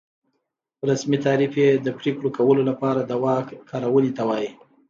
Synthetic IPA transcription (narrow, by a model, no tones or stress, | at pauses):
ɾasmit̪ɑɾifjed̪əpɾekɽokawəlolapɑɾad̪awɑkkʰːɑɾawəlit̪awɑji